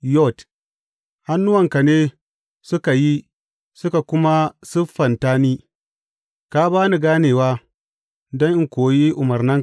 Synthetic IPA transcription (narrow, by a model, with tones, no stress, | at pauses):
jɔ˦˨t | ha˦nːʊ˦wɐ˨ŋka˨neː˦ | sʊ˦ka˨ji˦ | sʊ˦ka˨kʷʊ˦ma˦sʊ˦fːɐ˨ntaː˦niː˦ | kaː˦baː˦nu˨ɡaː˦neː˨waː˦ | dɔ˦ŋʔɪ˦ŋkʷoː˨ji˦ʔʊ˨mɐ˨rnɐ˦ŋ